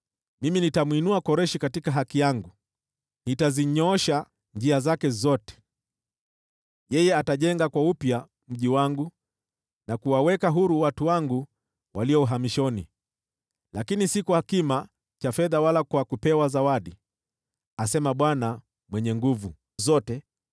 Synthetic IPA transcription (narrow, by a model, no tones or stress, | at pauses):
miminitamwinuakɔɾɛʃikatikaɦakijaŋɡu | nitaziɲɔɔʃa | nd͡ʒiazakɛzɔtɛ̥ | jɛjɛataʄɛŋɡakwaupja | m̩ʄiwaŋɡu | nakuwawɛkaɦuɾuwatuwaŋɡu | wʔaliɔuɦamiʃɔnḭ | lakinisikuhakima | t͡ʃafɛðawalakwakupɛwazawaɗi | asɛmaɓwana | mwɛɲɛŋɡuvu | zɔtɛ